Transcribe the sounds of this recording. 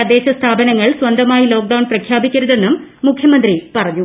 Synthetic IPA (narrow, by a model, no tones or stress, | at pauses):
ɐd̪e̞ːɕɐst̪ʰaːbɐnɐŋːɐɭswɐnd̪ɐmaːjilo̞ːk̚ɖɐwnprɐkʰjaːbikʲːɐɾuðe̞nːumː | ukʰjɐmɐnd̪ripɐrɐɲːu